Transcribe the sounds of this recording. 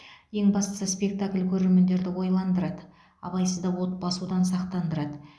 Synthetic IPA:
je̞ŋbɑst̪ə̥səspʲe̞k̚t̪akʲlʲkʲʰɵɾe̞ɾme̞nd̪e̞ɾd̪ɪwo̞jlˠɑnd̪əɾɑd̪ə | ɑ̰bɑjsəzd̪ɑwot̪̚bɑsud̪ɑnsɑqt̪ɑnd̪əɾɑd̪ə

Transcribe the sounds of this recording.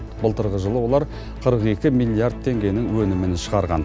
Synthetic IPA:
bəlˠt̪əɾʁəʒəlˠəwo̞lˠɑɾ | qʰəɾəqe̞kʲɪmijlʲˠːijard̪̚t̪ʰe̞ŋɡʲe̞jnɪŋwɵnɪmɪnʃəʁɑɾʁɑ̰n

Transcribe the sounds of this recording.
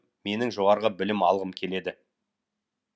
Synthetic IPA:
me̞nɪŋʒo̞ʁɑɾʁəbɪlɪmɑ̰lˠʁəmkʲʰe̞le̞d̪ɪ

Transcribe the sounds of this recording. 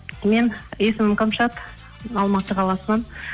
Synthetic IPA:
me̞ne̞sɪmɪqəmʃɑt̪ | ɑlˠmɑt̪əqʰɑlˠɑsənɑn

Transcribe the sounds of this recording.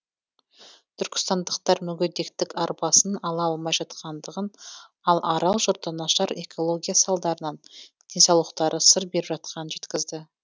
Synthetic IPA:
t̪ʰʏɾkʲɪ̥st̪ɑnd̪əqt̪ɑɾmʏɡʲed̪e̞kt̪ɪkɑɾpɑsənɑlˠɑɑlˠmɑjʒɑt̪qɑnd̪əʁən | ɑlˠʔɑɾɑlˠʒoɾt̪ːɑnɑʃɑɾe̞kʰo̞lˠoɡʲijasɑlˠd̪ɑɾənɑnd̪̥ʲe̞nsɑwlˠəqt̪ɑɾʔəsəɾbe̞ɾɪbʒɑt̪̚qʰɑnənʒe̞t̪kʲɪzd̪ɪ

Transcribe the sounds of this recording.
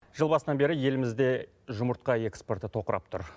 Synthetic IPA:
ʒ̥əlˠbɑsənɑnbe̞ɾɪje̞lɪmɪzd̪e̞ | ʒʊməɾt̪̚qɑe̞kspo̞ɾt̪ɪt̪ʰo̞qəɾʔɑ̰p̚t̪ʰʊ̰ɾ

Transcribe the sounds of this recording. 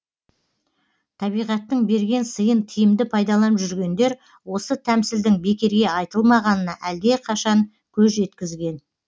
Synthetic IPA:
t̪ʰɑβijʁɑt̪ːəɴbe̞ɾɡʲe̞nsəjənt̪ʰijɪmd̪ɪpʰɑjd̪ɑlˠɑnəpʒʏɾɡʲe̞nd̪e̞ɾ | wo̞sət̪ʰæmsɪld̪ɪŋbe̞kʲe̞ɾɡʲe̞ɑjt̪əlˠmɑʁɑnənɑʔæld̪e̞qʰɑʃɑŋ | kʲʰɵzʒe̞t̪kʲɪzɡʲe̞n

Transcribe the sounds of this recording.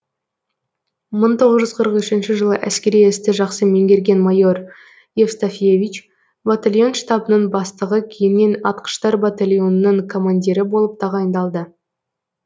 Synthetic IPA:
məɴt̪ʰo̞ʁəzʒʏzqʰəɾəqʏʃɪnʃɪʒəlˠəʔæskʲe̞ɾijɪst̪ɪʒɑqsəme̞ŋɡʲe̞ɾɡʲe̞nmajo̞ɾ | jefst̪afʲijevʲit͡ʃ | bat̪alʲjo̞nʃt̪ɑbənəɴbɑst̪əʁəkʲʰejɪnːe̞nɑt̪qə̥ʃt̪ɑɾbat̪alʲjo̞nənəŋkʰo̞mand̪ʲiɾɪbo̞lˠəp̚t̪ʰɑʁɑjənd̪ɑlˠd̪ə

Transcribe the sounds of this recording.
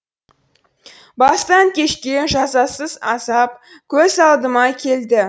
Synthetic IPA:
bɑst̪ɑŋkʲʰe̞ʃkʲe̞nʒɑzɑsəzɑsɑp̚ | kʲʰɵzɑlˠd̪əmɑkʲʰe̞ld̪ɪ

